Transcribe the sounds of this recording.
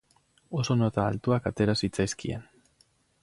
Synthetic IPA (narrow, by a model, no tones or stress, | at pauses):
o̞so̞not̪aːlt̪uakat̪e̞ɾasit͡sajskie̞̰n